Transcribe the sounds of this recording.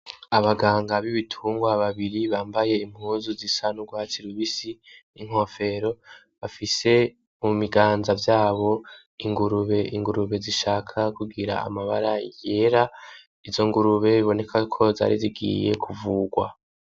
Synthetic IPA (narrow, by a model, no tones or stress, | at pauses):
aβaɡaːŋɡaβiβitʰuːŋɡwaβaβiɾiβaːmbaje̞im̥huːzuzisanuɡwaːt͡siɾuβisi | iŋ̥ho̞fe̞ɾo̞ | βafise̞ | mumiɡaːnzavjaːβo̞ | iŋɡuɾuβe̞iŋɡuɾuβe̞ziʃaːkʰakuɡiɾa̰a̰maβa̰ɾaije̞ɾa | izo̞ŋɡuɾuβe̞iβo̞ne̞kʰakʰo̞za̰ːɾiziɡḭːje̞kʰuvuːɡwa̰